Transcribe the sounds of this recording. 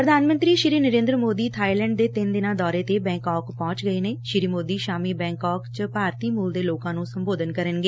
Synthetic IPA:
pɾəd̪ʱaːnmə̃nt̪ɾiːʃɪɾiːnəɾẽːnd̪ɾəmoːd̪iːt̪ʰaːilɛ̃ːɳɖ̚d̪eːt̪ɪnd̪ɪnãːd̪ɔːɾeːt̪eːbɛ̃ːŋkɔːkpɔ̃ːt͡ʃɡəeːneːʃɪɾiːmoːd̪iːʃaːmiːbɛ̃ːŋkɔːkt͡ʃəpaːɾt̪iːmuːld̪eːloːkãːnũːsəmboːd̪ənkəɾənɡeː

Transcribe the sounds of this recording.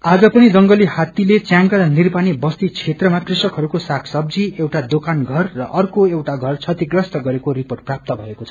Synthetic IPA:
ad͡zʌpʌnid͡zʌŋɡʌlihat̪ilet͡sjãŋkʌlnirpanibʌst̪it͡sʰet̪rʌmakrisʌkɦʌɾukosakʰsʌb̚d͡ziewʈad̪okanɡʱʌrːʌʔʌrkoewʈaɡʱʌrt͡sʰʌt̪iɡrʌst̪ʌɡʌɾekoriporʈprap̚t̪ʌbʱʌekot͡sʰʌ̥

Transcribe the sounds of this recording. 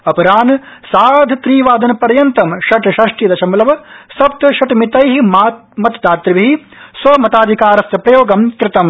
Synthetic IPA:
ɐpɐɾaːn | saːd̪ʱt̪ɾiːʋaːd̪ɐnɐpɐɾjɐnt̪ɐmʃɐʈʃɐʂʈid̪ɐt͡ʃɐmulɐʋɐsɐp̚t̪ɐʃɐʈmit̪ɐjɦimaːt̪mɐt̪d̪aːt̪ɾiʋiɦi | sʋɐmɐt̪aːd̪ʱikaːɾɐst̪ɐpɾɐjoːɡɐmkɾɪt̪ɐm

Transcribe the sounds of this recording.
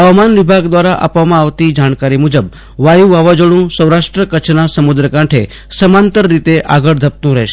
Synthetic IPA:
ɦəʋmanʋibʱaɡd̪ʋaɾaʔa̰pʋamãaʋt̪id͡ʒaɳ̃kaɾimud͡ʒəb | ʋajuʋaʋad͡ʒəɽ̃ũsə̃wɾaʂʈɾəkət͡ʃʰnasəmud̪ɾəkãʈʰe | səmant̪əɾːit̪eʔaɡəɽd̪ʱəp̚t̪ũɾəɦʃ

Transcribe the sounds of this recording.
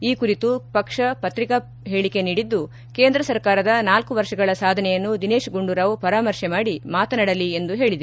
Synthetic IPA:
iːkuɾit̪upɐkʂɐpɐt̪ɾikɐ | ɦeːɭike̞niːɽid̪ːu | ke̞ːnd̪ɾɐsɐɾkaːɾɐd̪ɐnaːlkuʋɐɾʂɐɡɐɭɐsaːd̪ʱɐnɛjɐnːud̪ineːʃɡuɳɖuɾɐʋupɐɾaːmɐɾʂɛmaːɽimaːt̪ɐnɐɽɐliend̪uɦe̞ːɭid̪ɐɾu

